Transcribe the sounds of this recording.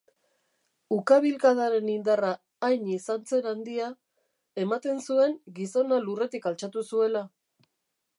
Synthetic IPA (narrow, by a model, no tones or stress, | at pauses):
ukaβ̞ilkaðaɾe̞nind̪araː | jɲisant͡se̞nand̪ia | e̞mat̪e̞nsue̞ŋɡiso̞nalure̞t̪ikalt͡ʃat̪usue̞la